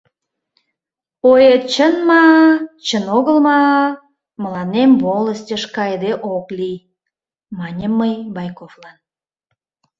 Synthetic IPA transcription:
ojet̪t͡ɕənmɑt͡ɕənoɣəlmɑ | məlɑnemboləstʲəʃkɑjd̪eʔoklij | mɑnʲəməjbɑjkoflɑn

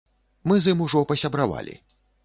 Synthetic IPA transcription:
mɨzɨmuʐɔpɐsʲɐbɾava̰lʲḭ

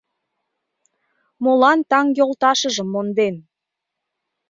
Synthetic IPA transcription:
molɑnt̪ɑŋjolˠt̪ɑʃəʒəmːond̪en

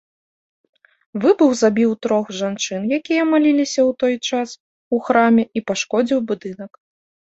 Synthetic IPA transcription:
vɨbuɣzabʲiwt̪ɾɔxʐant͡ʂɨnjakʲijɐmalʲilʲisʲɐwt̪ɔjt͡ʂas | uxɾamʲɛʔipaʂkɔd͡zʲiwbud̪ɨnɐk

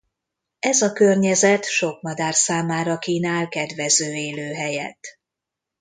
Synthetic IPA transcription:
ɛzɒkørɲɛzɛt̪ʃo̞kmɒd̪aːrsaːmaːɾɒkiːnaːlkɛd̪ʋɛzøːeːløːɦɛjɛ̰t̪

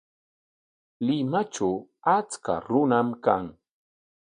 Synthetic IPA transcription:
lɪmat͡ʃawat͡ska̰ɾʊnamkaŋ

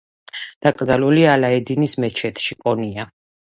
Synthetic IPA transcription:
d̪̥akʼd̪alulialaɛd̪inismɛt͡ʃʰɛt̪ʰʃikʼɔnia

